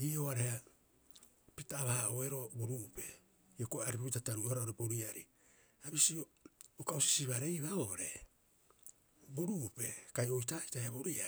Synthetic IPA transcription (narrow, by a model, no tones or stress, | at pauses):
iːoaɾeha | pitaːβahaoeɾo̞boɾuʔpe̞ | iokoaɾipipitataɾuoaɾaoɾeboɾiaɾi | aβisiookaosi̥siβaɾe̞jβaoɾe̞ | boɾupe̞kajo̞jtaitaheaboɾia